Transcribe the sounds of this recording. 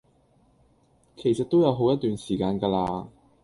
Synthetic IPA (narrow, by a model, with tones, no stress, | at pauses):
kʰe˨˩jsɐ˨t̪̚o˥wjɐ˨˧wɦo˨˥wjɐ˥t̪ːyː˨nsiː˨˩kaː˧nkaː˧laː˧